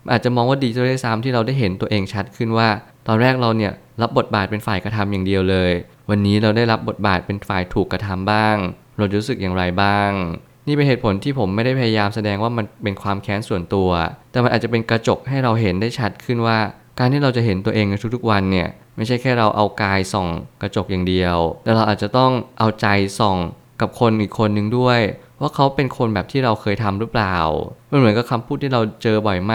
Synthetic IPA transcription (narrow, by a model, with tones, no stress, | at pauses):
ʔaː˨˩t̪̚t͡ɕa˨˩mɔː˧ŋwaː˥˩diː˧t̪ʰi˥˦a˥˩sa˦˥mt̪ʰiː˥˩ɾa˧wdaː˥˩jɦe˩˦nt̪u˧ɐʔeː˧ŋt͡ɕʰa˦˥t̪̚kʰɯ˥˩nwaː˥˩ | t̪ɔː˧nɾɛː˥˩k̚ɾa˧wni˥˩ɐ | ɾa˦˥p̚bo˨˩t̪̚baː˨˩t̪̚pe˧nfaː˨˩jkɾa˧t̪ʰa˧mjaː˨˩ŋdi˧əwlɤː˧j | wa˧nːiː˦˥ɾa˧wdaː˥˩jɾa˦˥p̚bo˨˩t̪̚ba̰ː˨˩t̪̚pe˧nfaː˨˩jt̪ʰuː˨˩kːɾa˧t̪ʰa˧mbaː˥˩ŋ | ɾa˧wt͡ɕa˨ɾu˦˥sɯ˨˩k̚jaː˨˩ɾa˧jbaː˥˩ŋ | niː˥˩pe˧nheː˨˩t̪̚pʰo˩˦nt̪ʰiː˥˩pʰo˩˦mːa˥˩jda˥˩pʰa˧ja˧jaː˧msa˧dɛː˧ŋwaː˥˩ma˧npe˧nkʰwaː˧mkʰɛː˦˥nsu˨˩ənt̪u˧ɐt̪ɛː˨˩ma˧nʔaː˨˩t̚t͡ɕa˨˩pe˧nkɾa˧t͡ɕo˨˩k̚ɦa˥˩jɾa˧wɦe˩˦ndaː˥˩jt͡ɕʰa˦˥t̪̚kʰɯ˥˩nwaː˥˩ | kaː˧nt̪ʰiː˥˩ɾa˧wt͡ɕa˨˩ɦe˩˦nt̪u˧ɐʔeː˧ŋna˧t̪ʰu˦˥t̪ʰu˥k̚wa˧nːi˥˩ɐ | ma˥˩jt͡ɕʰa˥˩jkʰɛː˥˩ɾa˧wʔa˧wkaː˧jsɔ˨˩ŋkɾa˧t͡ɕo˨˩k̚jaː˨˩ŋdi˧əwt̪ɛː˨˩ɾa˧wʔaː˨˩t̪̚t͡ɕa˨˩t̪ɔ˥˩ŋʔa˧wt͡ɕa˧jsɔ˨˩ŋ | ka˨˩p̚kʰo˧nʔiː˨˩kʰːo˧nːɯ˨˩ŋdu˥˩əj | waː˥˩kʰa˦˥wpe˧nkʰo˧nbɛː˨˩p̚t̪ʰiː˥˩ɾa˧wkʰɤː˧jt̪ʰa˧mɾɯː˦˥plaː˨˩wma˧nmɯ˦ənka˧˩kʰa˧mpʰuː˥˩t̪ʰːiː˥˩ɾa˧wt͡ɕɤː˧bɔ˨˩jma˥˩